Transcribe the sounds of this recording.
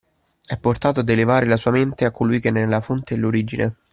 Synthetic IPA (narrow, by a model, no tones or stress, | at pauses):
ɛpːort̪aːt̪oad̪ːelevaːɾelasuːament̪eakːolujk̟eɛnːɛlːafont̪eɛlːoɾid͡ʒine